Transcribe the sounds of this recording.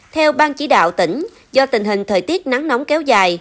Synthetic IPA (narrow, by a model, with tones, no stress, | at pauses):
t̪ʰɛ˧wɓaː˧nt͡ɕi˨˦ɗa̰ː˧˨wt̪ï˧˩ŋ̟ | zɔ˧t̪ï˨˩ŋ̟ɦï˨˩ŋ̟t̪ʰəː˨˩jt̪i˦˥ət̚na˨˦ŋnɔ˨˦wŋ͡mkɛ˨˦wzaː˨˩j